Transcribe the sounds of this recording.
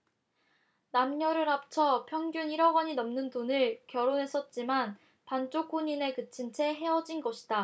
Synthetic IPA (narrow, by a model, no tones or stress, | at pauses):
namɲʌɾɯɾap̚t͡ɕʰʌpʰjʌŋɡjuniɾʌɡʌɲinʌmnɯndonɯɭkjʌɾonɦe̞s͈ʰʌt̚t͡ɕ͈iman | pant͡ɕ͈okʰoɲine̞kɯt͡ɕʰint͡ɕʰe̞ɦe̞ʌd͡ʑinɡʌɕʰi̥da